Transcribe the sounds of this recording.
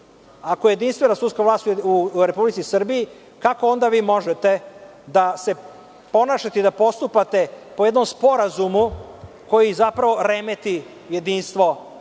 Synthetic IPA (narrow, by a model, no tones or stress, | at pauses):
akoje̞d̪inst̪ʋenasut̪skaʋlaːst̪uuɾepublit̪sisr̩biji | kako̞o̞nd̪aʋiːmo̞ʒet̪e̞ | d̪ase̞ | po̞naːʃat̪ed̪apo̞st̪upat̪e̞po̞jed̪nomspo̞ɾazumu | ko̞jizapɾaʋo̞ɾemet̪i | je̞d̪iːnst̪ʋo̞